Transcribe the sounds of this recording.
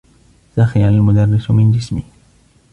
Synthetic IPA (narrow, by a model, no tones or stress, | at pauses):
saxianalmʊd̪ɑrːɪsmɪnd͡ʒɪsmiː